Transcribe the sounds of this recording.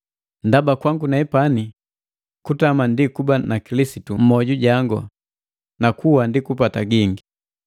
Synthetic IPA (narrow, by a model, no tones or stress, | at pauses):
ndabakwaŋɡunaɛpani | kutamandikubanakilisitum̩mɔɟuɟaŋɡɔ̰ | nakuwandikupataɡiŋɡi